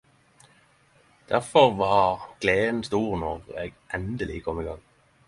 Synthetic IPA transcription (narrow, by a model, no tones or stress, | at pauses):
d̪̥æʁfɔʁʋɑːʁɡ̥leːn̩st̪uːʁnɔʁḛːɡʔɛnd̪əlɪ̰əkʰɔmːiːɡɑŋ